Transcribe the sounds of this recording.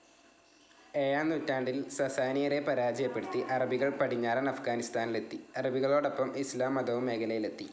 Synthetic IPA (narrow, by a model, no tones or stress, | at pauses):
eːjaːnutːaːɳɖilsɐsaːnijɐɾepɐɾaːd͡ʑɐjɐpːe̞ɽut̪ːiʔɐrɐbiɣɐɭpɐʈiɲːaːɾɐnɐfɡaːnist̪aːnile̞t̪ːiɐrɐbiɣɐɭo̞ːɽopːɐmislaːmɐd̪ɐʋumekʰɐlɐjile̞t̪ːi